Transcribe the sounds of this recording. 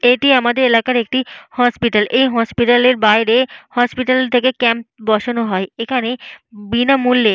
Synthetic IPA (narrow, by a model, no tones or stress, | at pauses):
eʈiamad̪eɾelakaɾek̚ʈihɔspiʈalʔejɦɔspiʈaleɾbajɾehɔspiʈalt̪ʰekekɛmp̚bɔʃonoɦɔeekʰanebinamulːe